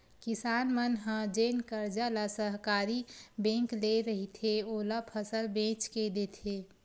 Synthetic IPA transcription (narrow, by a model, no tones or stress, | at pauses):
kɪsaːnmənɦə̃d͡ʒeːnkəɾd͡ʒalasəɦkaːɾibẽːŋkleɾəɦit̪ʰeoːlapʰəsəlbẽːt͡ʃked̪et̪ʰe